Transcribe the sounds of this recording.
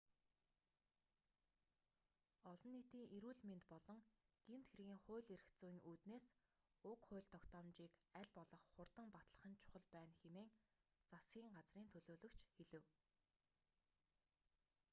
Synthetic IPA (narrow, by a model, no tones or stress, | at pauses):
ɔɮɞ̆nːit̪iːŋʔeɾuːɮment̪pɔɮɞ̆ŋɡ̥em̥t̪xerɣʲiːŋχʊːɮeɾɘ̆kt͡suːjiŋuːt̪neːs | ʊkχʊ̟ːɮt̪ʰɔkt̪ɔːmt͡ɕiːkæɮʲpɔɮɞ̆χːʊrt̪ə̆mpat̪ɮə̆χə̆nt͡ɕʰʊ̥χə̆ɮpæːnxemeːŋt͡sasɡʲiːŋɢat͡sriːnt̪ʰɵɮoːɮɵ̆kt͡ɕʰxeɮɘ̆w